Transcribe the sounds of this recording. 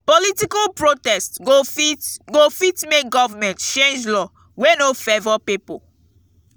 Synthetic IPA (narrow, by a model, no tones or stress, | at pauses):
politikalpɹotɛstɡofiɡofitmek̚ɡɔvɔmɛ̃ntt͡ʃẽnd͡ʒlɔ | wenofevɔpipo